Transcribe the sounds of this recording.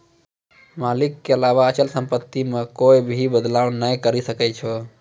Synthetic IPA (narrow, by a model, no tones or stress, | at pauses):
malikːeəlabaət͡ʃəlsəmpət̪ːimekojbʱibəd̪lawnəjkəɾisəkɛt͡ʃʰɔ